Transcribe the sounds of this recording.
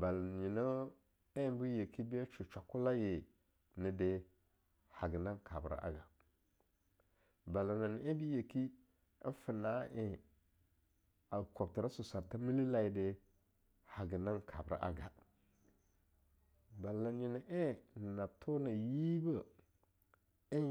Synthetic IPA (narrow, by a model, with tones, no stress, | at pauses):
ba˨la˨ɲi˨nə˦ | e˦bi˦je˨ki˦bi˦a˦t͡ʃu˨t͡ʃa˨ku˦la˦je˨ | nə˨de˨ | ha˨ɡə˨na˦nkʰa˨bɾa̰˨ʔa̰˨˦ɡa˨ | ba˨la˨na˨n˨˦e˦bi˦je˨ki˦ | ə̰˦nfə˨na˨˦ʔe˨ | a˨ko˨b̚ti˨ɾa˦su˨sa˨ɾta˦mi˦li˦la˨i˨de˨ | ha˨ɡə˨na˦nkʰa˨bɾa̰˨ʔa̰˨ɡa̰˨ | ba˨lːa˨nji˨ni˨ʔe˦˨na˨tʰo˦na˨ji˦bə˦ | i˦